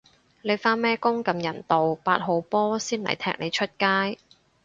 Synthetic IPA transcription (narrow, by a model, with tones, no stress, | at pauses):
le˨˧jfaː˥nmɛː˥kʊ˥ŋkɐ˧mjɐ˨˩nt̪o˨wpaː˧t̚ɦo˨˧wpɔː˥siː˥nlɐ̰˨˩jt̪ʰɛː˧k̚ne˨˧jt͡ʃʰɵ˥t̚kaː˥j